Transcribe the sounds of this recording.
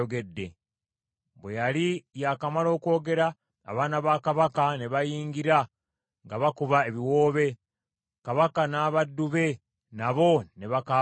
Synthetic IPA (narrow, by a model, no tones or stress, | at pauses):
oɡe̞dːe̞ | βwe̞jalijakamalo̞ːko̞ːɡe̞ɾa̰ː | βaːnaβakaβakaneβajiːŋɡiɾa | ŋɡaβakuβae̞βiwo̞ːβe̞ | kaβakanaːβadːuβe̞ | naβo̞ne̞βaka